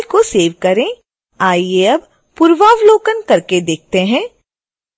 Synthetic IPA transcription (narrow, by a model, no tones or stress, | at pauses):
koseːʋkɐɾẽ | aːieɐb | pʊɾʋaːʋloːkənkɐɾked̪eːk̚t̪eɦɛ̃ː